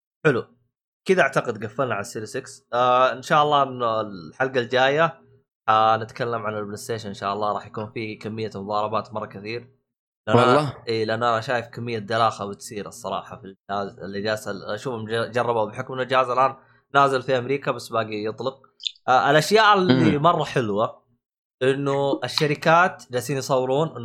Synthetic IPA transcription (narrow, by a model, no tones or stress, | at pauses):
ħɪlu | kɪd̪aʔaʕt̪aqɪd̪ɡafːalnaʕalasːiːɾisɪksaʔɪnʃaːʔɑlˤːɑːʔɪnːɪlħalɡald͡ʒaːja | ħanɪt̪kalːamʕanɪlblɪst̪eːʃanɪnʃa̰ːʔɑlːɑːɾˤɑ̰ːħjakuːnfiːkamːɪjːamʊðˤɑːɾˤɑbaːt̪mɑrˤːɑkɪθiːɾ | lɪʔanlːɑʔiːlɪʔanːʔanaʃaːjɪfkamːɪjːad̪alaːxabɪt̪siːɾɨsˤːɑɾˤɑ̰ːħɑfilaːzlːɪd͡ʒaːsaʔaʃuːfamd͡ʒɑrˤːɑbawbɪħʊkmɪlɪd͡ʒaːzalʔaːn | naːzalfiʔamɾiːkabasːbaːɡijɨt̪ˤlɨq̚ː | ɪlʔaʃjaːʔɪlːimɑrˤːɑħɪlwa | ʔɪnːʊɪʃːaɾɪkaːt̪d͡ʒasiːnjsˤɑwːɾuːnʔɪnː